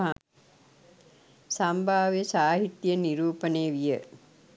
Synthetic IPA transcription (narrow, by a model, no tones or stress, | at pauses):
a | sambʱaːʋesaːɦit̪jəniɾuːpəneːʋijə